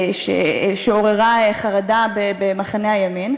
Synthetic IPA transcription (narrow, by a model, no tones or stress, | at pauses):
ʃḛʃeoʁeʁaeχaʁadabebemaχaneajamin